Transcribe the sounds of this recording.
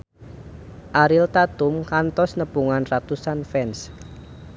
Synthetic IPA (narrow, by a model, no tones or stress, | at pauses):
ʔaɾilt̪at̪ʊmkant̪ɔsnəpuŋanrat̪usanfɛns